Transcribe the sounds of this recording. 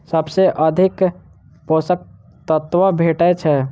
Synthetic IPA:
səbseʔəd̪ʱɪk | poːsək̚ | t̪ət̪wəbʱeːʈɛt͡ʃʰɛ

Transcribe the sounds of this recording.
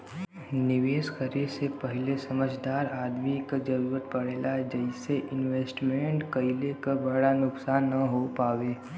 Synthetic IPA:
nɪʋeːsxəɾiːɾsepəɦɪlesɐməd͡ʒd̪aːɾaːd̪mikad͡ʒɐɾuːɾət̪̚pɐɽeːlaɦɛd͡ʒəɪseʔɪnʋeːsʈmẽɳʈkɐɪlekabɐɽanʊksaːnːɐɦopaːʋeː

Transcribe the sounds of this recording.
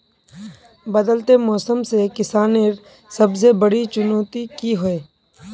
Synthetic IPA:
bɐd̪əlt̪emɔːsəmsekɪsaːneɾ | sɐbs̬ebɐɽit͡ʃʊnoːt̪ikiɦoeː

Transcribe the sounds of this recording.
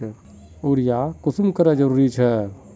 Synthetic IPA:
uɾijakʊsmkəɾad͡ʒəɾuːɾit͡ʃʰɛ

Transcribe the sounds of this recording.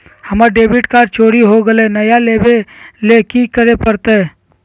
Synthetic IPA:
həməɾɖeːbiʈkaːɾt͡ʃoːɽiɦoɡəlenəjalebelekikəɾepəɾt̪e

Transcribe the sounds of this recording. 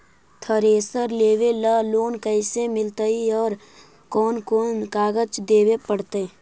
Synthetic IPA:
t̪ʰəɾeːsəɾleːʋeləloːnkəɪsemɪlt̪əiɔːɾ | kɔːnkɔːnkaːɡət͡ʃd̪eːʋepəɽt̪e

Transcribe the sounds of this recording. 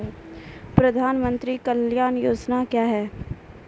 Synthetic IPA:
pɾɐd̪ʱaːnmə̃nt̪ɾikəljaːnjoːd͡ʒnakjaːɦɛː

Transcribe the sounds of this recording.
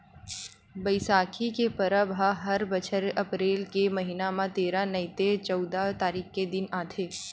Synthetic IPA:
bəɪsaːkʰikepɐɾabʱaɦɐɾbət͡ʃʰəɾɐpɾeːlkemɐɦinamãt̪eːɾanɐɪt̪et͡ʃɔʊd̪at̪aːɾiːkʰked̪ɪnaːt̪ʰeː

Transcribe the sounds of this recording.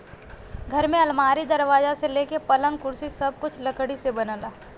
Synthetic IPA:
ɡʱɐɾmẽɐlmaːɾid̪ɐɾʋaːzaseleːkepɐlə̃ŋɡkʊɾsisɐb̚kʊt͡ʃʰləkɽisebɐnəlaː

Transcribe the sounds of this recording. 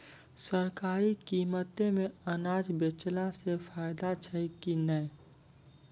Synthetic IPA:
səɾkaːɾikiːmət̪emẽənaːd͡ʒbet͡ʃlasepʰaːɪd̪at͡ʃʰəkinəe

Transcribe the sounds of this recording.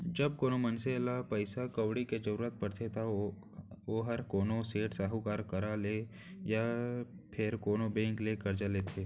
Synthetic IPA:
d͡ʒɐbkoːnomɐnselapəɪsakɐwɽiked͡ʒəɾuːɾət̪̚pɐɽt̪ʰet̪ʰa | oːɦɐɾkoːnoseːʈsaɦukaːɾkəɾale | ja | pʰɪɾkoːnobẽːŋklekɐɾd͡ʒaleːt̪ʰeː

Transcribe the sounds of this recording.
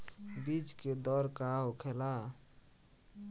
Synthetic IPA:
bid͡ʒked̪ɔɾkaɦokʰela

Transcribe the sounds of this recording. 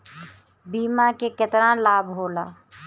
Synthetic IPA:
biːmakekət̪ɾãlaːbɦoːla̰ː

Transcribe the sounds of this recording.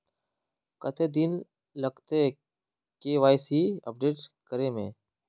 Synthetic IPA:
kət̪ʰeːd̪in | ləɡt̪eː | keːʋaːjsiːə̰p̚ɖeːʈkəɾeːmḛ̃ː

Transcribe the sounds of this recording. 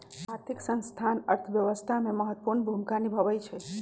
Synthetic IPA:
aɾt̪ʰiksə̃nst̪ʰanə̰ɾt̪ʰəbjəʋəst̪ʰameməɦət̪ːəpuɾnbʱumikanibʱəʋəjt͡ʃʰɛ

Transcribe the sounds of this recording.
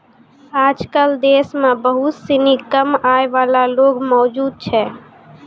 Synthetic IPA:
ad͡ʒkəld̪esmẽbəɦut̪sinikəmaeʋalaloɡmɔːd͡ʒud̪̚t͡ʃʰɛ

